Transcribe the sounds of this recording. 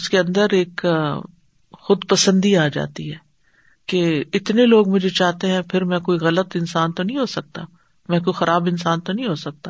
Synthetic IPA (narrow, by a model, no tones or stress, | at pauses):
ʊskeɐ̃nd̪əɾeːk | xʊd̪pɐsə̃nd̪iaːd͡ʒa̰ːt̪iɦɛː | keɪt̪neloːɡmʊd͡ʒʱet͡ʃaːɦt̪eɦɛ̃pʰɪɾmɛ̃koːiɣɐlət̪ɪnsaːnt̪onɐɦĩɦoːsɐk̚t̪a | mɛ̃k̬oːixɐɾaːbɪnsaːnt̪onɐɦĩɦoːsɐk̚t̪aː